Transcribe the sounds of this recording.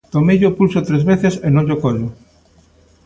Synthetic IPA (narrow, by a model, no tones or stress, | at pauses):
t̪omejʎopulsot̪ɾezβeθesenõŋʎokoʎo